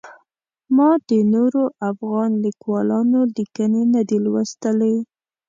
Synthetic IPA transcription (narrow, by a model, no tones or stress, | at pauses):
mɑd̪ənoɾoʔafɣɑnlikwɑlɑnolikənenad̪elwəst̪əlej